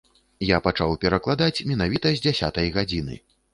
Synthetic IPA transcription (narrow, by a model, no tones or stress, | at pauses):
japat͡ʂawpʲɛɾɐklˠad̪at͡sʲmʲɛnavʲit̪ɐzʲd͡zʲasʲa̰t̪ɐjɣad͡zʲinɨ̰